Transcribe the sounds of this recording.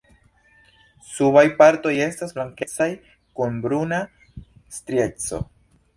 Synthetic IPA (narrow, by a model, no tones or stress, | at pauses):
suβajpaɾto̞je̞stasblaŋket͡saj | kunbɾuna | stɾje̞t͡so̞̰